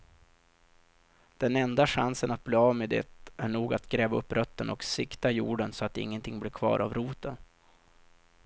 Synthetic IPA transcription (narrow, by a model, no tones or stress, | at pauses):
d̪̥ɛnɛnd̪aɧansənat̪̚bloːavmeːd̪ɛ̰t̪æɳuːɡat̪ɡɾɛːvaɵpːɾʔœt̪ːənɔksɪkt̪ajuːɖənsɔat̪ːɪ̰ŋːənt̪ʰɪŋːblɪɾkʰvɑ̰ːɾʔa̰vɾuːt̪ən